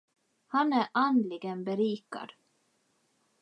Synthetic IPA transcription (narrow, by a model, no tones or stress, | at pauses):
hanæʔand̪lɪɡənbɛɾiːka̰d̪̥